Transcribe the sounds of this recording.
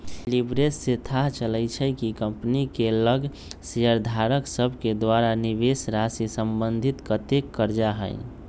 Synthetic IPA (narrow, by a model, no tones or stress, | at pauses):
libɾesːet̪ʰaɦt͡ʃələjt͡ʃʰəkikəmpnikeləɡ | sijəɾd̪ʱaɾəksəbʱked̪waɾaniβesɾasisəmbənd̪ʱit̪kət̪ekːəɾd͡ʒaɦə̰ɪ